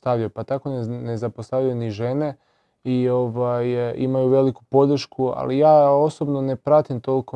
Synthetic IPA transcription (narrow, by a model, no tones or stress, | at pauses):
st̪aʋʎajopat̪ako̞nenezapost̪aʋʎajniʒe̞ne̞ | io̞ʋajḭmajuʋe̞liku̥po̞d̪ɾ̩ʃkua̰lijaːo̞sobnone̞pɾat̪imt̪o̞lko